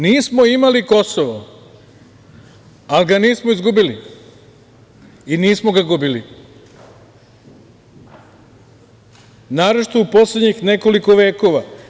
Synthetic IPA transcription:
niːsmo̞imaliko̞soʋo | aliɡaniːsmoizɡubili | iniːsmoɡaɡubili | naːɾot͡ʃi̥t̪oupo̞sled̪ɲixne̞ko̞liko̞ʋe̞ːko̞ʋa

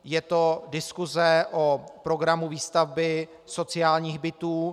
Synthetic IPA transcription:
jɛt̪o̞dɪskuzɛʔopɾo̞ɡɾamuviːst̪avbɪ | so̞t͡sɪjaːlɲiːxbɪt̪uː

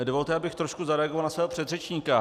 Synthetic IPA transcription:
dovo̞lt̪ɛʔabɪxt̪ɾoʃkuzaɾɛaɡovalnasvɛːɦopr̥ɛd̪rɛt͡ʃɲiːka

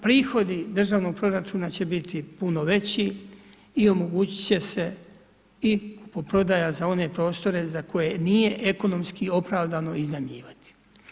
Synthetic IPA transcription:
pɾiːxo̞d̪id̪r̩ʒaːʋno̞ɡ̚pɾo̞ɾat͡ʃuːnat͡ɕe̞bit̪ʰipuno̞ʋe̞t͡ɕi | io̞mo̞ɡuːt͡ɕi̥t͡ɕe̞se̞ | iku̥popɾo̞d̪ajazao̞ne̞pɾo̞ːst̪o̞ɾe̞zako̞jenije̞ʔeko̞no̞mskio̞pɾaːʋd̪ano̞iznamʎiːʋat̪i̥

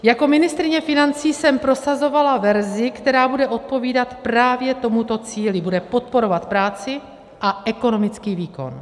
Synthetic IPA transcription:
jako̞mɪnɪst̪ɾɪɲɛfɪnant͡siːsɛmpɾo̞sazo̞valavɛɾzɪkt̪ɛɾaːbudɛʔo̞t̪̚po̞viːdat̪pɾaːvjɛt̪o̞mut̪o̞t͡siːlɪbudɛpo̞t̪̚po̞ɾovat̪pɾaːt͡sɪ | ʔaʔɛko̞no̞mɪt͡skiːviːko̞̰n

